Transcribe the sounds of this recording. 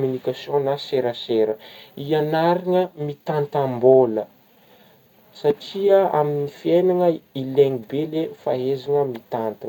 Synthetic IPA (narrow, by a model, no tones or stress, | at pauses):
mynikasjõnaseɾəseɾəianaɾiŋəmit̪ant̪ambolə | saʈ͡ʂiəa̰minifienaŋəileŋibelefaɦezaŋəmit̪ant̪a